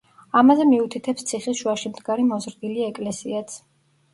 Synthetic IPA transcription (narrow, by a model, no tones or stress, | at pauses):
amazɛmiut̪ʰit̪ʰɛpst̪sʰiχisʃuaʃimd̪ɡaɾimɔzɾd̪iliɛkʼlɛsiat̪sʰ